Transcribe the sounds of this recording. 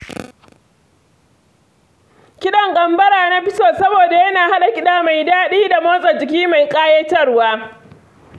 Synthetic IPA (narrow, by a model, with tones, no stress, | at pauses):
kʲɪ˦ɗɐ˨ŋkʼɐ˨mbɐ˦ɽaː˨na˦ɸɪ˦soː˨sɐ˦boː˨da˨jɐ˦naː˨ha˦ɗa˨kʲɪ˦ɗaː˦ma˨jdaː˦ɗiː˦da˨moː˦sʼɐ˨d͡ʒɪ˨k̬ʲiː˦ma˨jkʼaː˦je˦tɐ˦rwaː˦